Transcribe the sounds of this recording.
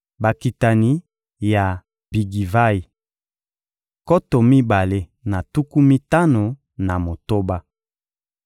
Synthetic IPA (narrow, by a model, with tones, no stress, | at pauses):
ba˨ki˨ta˨ni˨ | ja˨ | bi˨ɡi˨va˦i˨ | ko˦to˨mi˦ba˨le˦na˨tu˦ku˦mi˦ta˦no˨ | na˨mo˨to˦ba˦